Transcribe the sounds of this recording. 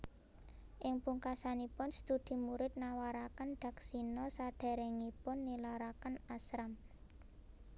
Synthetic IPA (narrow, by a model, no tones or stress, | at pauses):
ʔɪŋpuŋkasanipʊnst̪ud̪̥i̤muɾɪt̪̚nawaɾakanɖ̪̥a̤ksinɔsad̪̥a̤ɾɛŋipʊnːilaɾakanasɾam